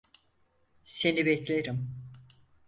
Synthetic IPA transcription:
se̞nibɛclʲeɾim

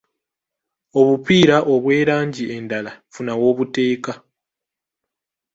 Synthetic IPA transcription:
o̞βupiːɾaʔo̞βwe̞ːɾaːɲɟie̞ndalafunawo̞ːβute̞ːka

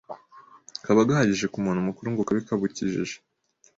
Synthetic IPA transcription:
kaβaɡahaɟiʒe̞kumuːnumukuɾuŋɡukaβikaβuciʒiʒe̥

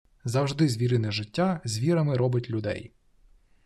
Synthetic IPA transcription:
zɐwʒd̪ɪzʲʋʲiɾɪnɛʒɪtʲːazʲʋʲiɾɐmɪɾɔbɪtʲlʲʊd̪ɛ̰j

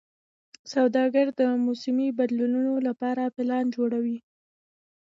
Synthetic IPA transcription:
sawd̪ɑɡaɾd̪əmusɪmibad̪lununolapɑɾapɪlɑnd͡ʒoɽawi

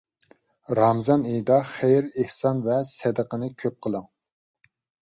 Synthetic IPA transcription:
ɾɑmzɑnejd̪ɑχejɾehsɑnvɛsɛd̪əqənɨkʲʰøp̚qʰəlˠəŋ

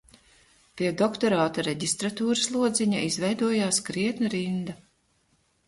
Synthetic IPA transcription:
piɛd̪ɔkt̪ɔɾaːt̪aɾɛɟʲist̪ɾat̪uːɾɨslˠuɔd̪ziɲaʔizvɛjd̪uɔjaːskɾiɛt̪nɐɾind̪a

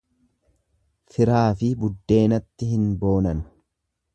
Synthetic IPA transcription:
fɪɾaːfɪbʊd̪ːe̞ːnɐt̪ːɪhɪnbo̞ːnɐnʊ̥

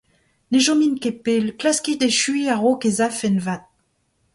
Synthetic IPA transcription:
neʒominkepelklaskid̪eʃɥiaʁokezafɛnvat̪̚

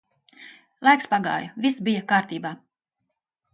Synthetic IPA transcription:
lˠajkspaɡa̰ːjuvʲisbijakaːɾt̪iːbaː

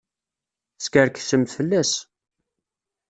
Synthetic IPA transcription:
skəɾksəmfəlːæs

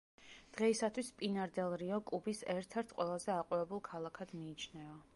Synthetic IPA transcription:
d̪̥ʁɛisat̪ʰwispʼinaɾd̪ɛlˠɾiɔkʼubisɛɾt̪ʰɛɾt̪ʰqʼwɛlˠazɛaqʼuɾɛbulˠkʰalˠakʰad̪̥miːt͡ʃʰnɛa

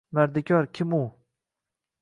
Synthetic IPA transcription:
vaɾd̪ɪkʲʰɒɾkʲʰɪmu

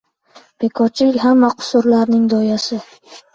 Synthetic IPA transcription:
b̥e̞kʰɒt͡ʃʰɪkʲɦamːaqʰʊ̥sʊɾlaɾnɪŋd̪ɒjasɪ

